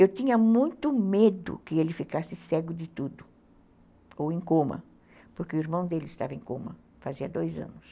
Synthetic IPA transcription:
ewt̪ĩɲɐmũj̃t̪ʊmed̪ʊ̰kɪelɪfikasɪsɛɡʊd̪ɪt̪ud̪ʊ | owẽj̃kõmɐ̰ | pʊɾkeʊiɾmɐ̃w̃d̪elɪɪst̪a̰vɐẽkõ̰mɐ | faziɐd̪ojzɐ̰̃nʊs

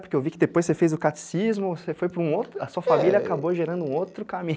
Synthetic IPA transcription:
pʊɾkeewvikɪd̪epojsefejzʊkat̪i̥sizmʊsefojpɾʊũowt̪ɾʊɐsuɐfamiljɐakaboʒeɾɐ̃nd̪ʊũowt̪ɾʊkamĩ

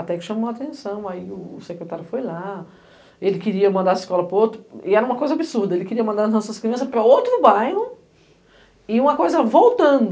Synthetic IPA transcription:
at̪ɛkɪ̥ʃɐ̃mɐ̃at̪ẽsɐ̃w̃aiʊsekɾet̪aɾjʊfojla | elɪkɪɾiɐmɐ̃nd̪aɾiskɔlɐpɾɐowt̪ɾʊɪɛɾɐũmɐkojzɐabɪsuɾd̪ɐelɪkɪɾiɐmɐ̃nd̪aɾɐzɐ̃sõskɾiɐ̃sɐpɾɐowt̪ɾʊbajɦʊ | ɪũmɐkojzɐvowt̪ɐ̃d̪ʊ

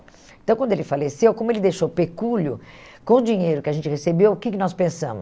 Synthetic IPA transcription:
ẽt̪ɐ̃kɐ̃nd̪ʊelɪfalesewkõmʊelɪd̪ejʃowpekulʊ | kõʊd͡ʒiɲejɾʊkɪaʒẽnt͡ʃɪhesebewʊkɪkɪnɔspẽsɐ̰̃mʊs

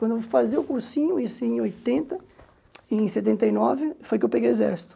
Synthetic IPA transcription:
kwɐ̃nd̪ʊfaziʊkuɾsĩɲʊisẽj̃ojt̪ẽnt̪ɐ | ẽj̃set̪̬ẽnt̪ɐjnɔvɪfojk̬ewpeɡejezɛ̰ɾsi̥t̪ʊ̥

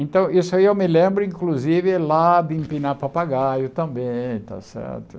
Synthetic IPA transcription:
ẽnt̪ɐ̃w̃isʊaiewmɪlẽmbɾʊĩkluzivɪlab̪ĩmpinapapaɡajʊt̪ɐ̃mbẽjj̃t̪a̰sɛ̰ɾt̪ʊ

